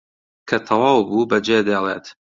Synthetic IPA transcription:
kʰɐt̪ʰɐwɑːwbubɐd͡ʒed̪eːlˠeːt̪

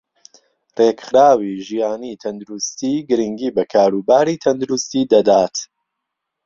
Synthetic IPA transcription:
rekχɾaːwiːʒijaːnit̪ʰɐnd̪uɾust̪iːɡɨɾiŋɡiːbɐkʰaːɾubaːɾit̪ʰɐnd̪uɾust̪iːd̪ɐd̪aːt̪

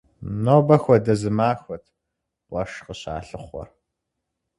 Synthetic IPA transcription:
noːbɐxʷɔdɐzɨmaːxʷɐtʰ | qʷɐʂqəɕa̰ːɬɨχʷɔ̰r

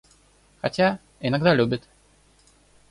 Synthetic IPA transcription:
xɐtʲa | ɪnɐɡd̪alʲubʲɪt̪

